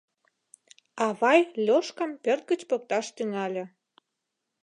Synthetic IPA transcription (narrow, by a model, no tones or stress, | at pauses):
ɑβɑjlʲoʃkɑmpørt̪̚ɡət͡ɕpok̚t̪ɑʃt̪yŋɑlʲĕ